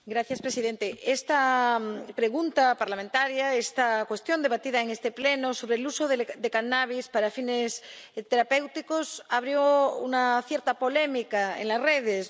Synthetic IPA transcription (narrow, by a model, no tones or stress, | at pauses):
ɡɾaθjaspɾesiðent̪eest̪a | pɾeɣunt̪apaɾlamẽnt̪aɾjaest̪akwe̞st̪jo̞nd̪e̞βat̪iðaeŋest̪eplenoso̞βɾelusoðed̪ekanaβ̞ispaɾafinest̪eɾape̞wt̪ikosaβ̞ɾjoṵnaθjeɾt̪apolemikaḛŋlasreð̞es